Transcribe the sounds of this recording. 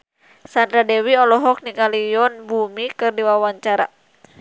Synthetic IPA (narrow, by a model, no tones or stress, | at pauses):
sand̪ɾadɛwiɔlɔɦɔk̚niŋalijɔnbumikɨrdiwawaɲt͡ʃaɾa̰